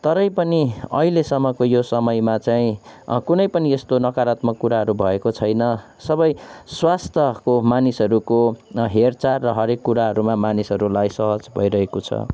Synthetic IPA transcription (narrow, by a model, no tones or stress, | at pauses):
t̪ʌɾʌjpʌniʌ̰ɦilesʌmːʌkojosʌmʌjmat͡saĩkunʌjpʌniest̪onʌkaɾat̪mʌkːuɾaɦʌɾubʱʌekot͡sʰʌjnʌ | sʌbʌjswast̪ʰjʌkomanisɦʌɾukoɦert͡sarʌɦʌɾekːuɾaɦʌɾumamanisʌɾulajsʌɦʌd͡zbʱʌ̰jɾʌɦekot͡sʰʌ̰